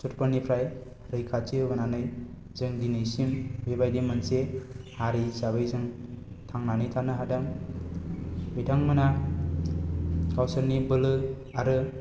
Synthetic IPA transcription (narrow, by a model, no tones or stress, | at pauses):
sutpənːipʰɾaj | ɾɯjkʰat͡ʃɯbɯnanɯj | zɯŋdinɯjsimbebajdimansehaɾisaβɯjzɯŋ | tʰaŋnanɯjtʰanɯɦadaŋ | bitʰaŋmɯna | kawsɯɾnibɯlɯ | aɾɯ